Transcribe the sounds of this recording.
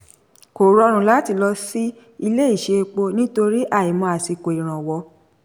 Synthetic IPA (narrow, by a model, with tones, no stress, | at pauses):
ko˨ɾɔ˧ɾ̃ũ˨˦˨la˦ti˧˦lɔ˧si˦ | i˧le˦i˦˨ʃe˧k͡po˧nĩ˦to˧ɾi˦ʔa˦˨i˨mɔ̃˧a˨si˧˨ko˨i˨ɾ̃ã˨wɔ˧˦